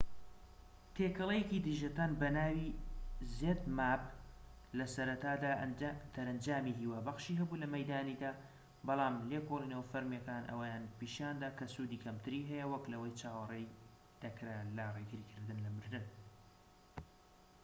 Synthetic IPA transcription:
t̪ʰeːkɐlˠejecid̪ɨʒɐt̪aːnbɐnaːwizeːd̪maːp | lɐsɐɾɐt̪aːd̪ad̪̥ɐɾɐnd͡ʒaːmiɦiːwaːbɐxʃiːɦɐbulɐmɐjd̪aːnid̪aː | bɑlˠɑːmlekolˠineːwfɐɾmjɐkaːnʔɐ̰wɐjaːnpiːʃaːnd̪aːkʰɐsud̪iːkʰɐmt̪ʰɨɾiːɦɛjɐwɐklɐwɐjt͡ʃʰaːwɐrej | d̪̥ɐkɾalɐreɡɨɾikʰɨɾd̪ɨnlɐmɨɾd̪ɨn

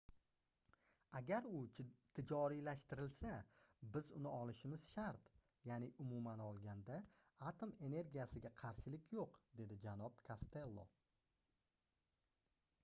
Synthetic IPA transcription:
aɡʲaɾʊt̪ʰɪd͡ʒɒɾilaʃt̪ɪɾɪlsabɪzʊnɪɒlˠɪʃɪmɪz̥ʃaɾt̪ | janɪʔʊmʊmanɒlˠɡʲand̪aat̪ʰo̞me̞ne̞ɾɡʲijasɪɡʲaqʰɑɾʃɪlɪkʲʰjoqd̪e̞d̪ɪd͡ʒanɒbkʰast̪e̞lˠːo̰

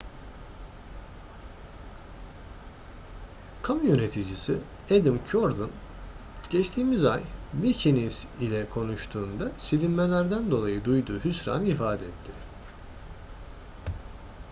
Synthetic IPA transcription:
kʰamjø̞ne̞t̪ʰid͡ʒisi | ed̪imcʰoɾd̪un | ɟ̥ɛt͡ʃt̪ʰiːmiza̰jvicʰinifsilʲɛkʰo̞nuʃt̪ʰuːnd̪asilʲinmelʲæɾd̪ænd̪o̞lˠajɯd̪ujd̪uːɦysɾa̰nifaːd̪ɛɛt̪ʰːɪ

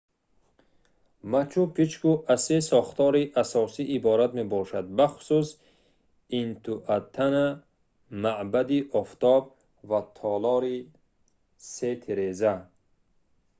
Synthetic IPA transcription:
mat͡ʃʰupʰit͡ʃkuʔasesɔχt̪ɔɾiʔasɔsiʔːbɔɾat̪mebɔʃad̪̚baχu̥sus | int̪ʰuʔat̪ʰːana | maʔbad̪iʔɔft̪ɔb̚ | vat̪ʰɔlɔɾi | set̪ʰeɾeza

